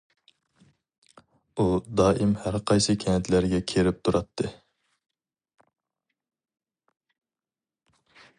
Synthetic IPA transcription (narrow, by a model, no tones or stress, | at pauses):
ud̪ɑːʔimhæɾqʰɑjsɨkʲʰɛnɛt̪ʰlæɾɡʲɛkʲʰeɾɪp̚t̪ʰuɾʔɑt̪ʰːɨ